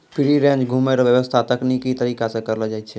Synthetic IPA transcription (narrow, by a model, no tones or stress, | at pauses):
pʰiɾiɾẽnd͡ʒɡʱumeɾʋjəʋəst̪ʰat̪əknikit̪əɾikasẽkəɾld͡ʒajt̪t͡ʃʰɛ